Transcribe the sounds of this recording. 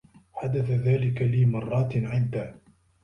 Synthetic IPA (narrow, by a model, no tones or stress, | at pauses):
ħad̪aθaðaːlɪkaliːmɑrˤːɑːt̪ʕɪd̪ːaː